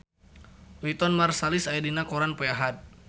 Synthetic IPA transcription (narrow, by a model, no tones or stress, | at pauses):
wit̪ɔnmarsalisaidinakoɾanpeaɦat̪̚